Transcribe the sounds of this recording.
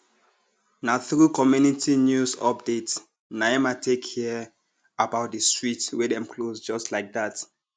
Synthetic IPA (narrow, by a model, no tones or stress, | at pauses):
naθɹukɔmjunitʰinjusɔp̚det | najɛmatʰekhiə | abaʊt̚dəstɹitwɛdɛ̃mkʰlosd͡ʒɔstlaɪk̚dat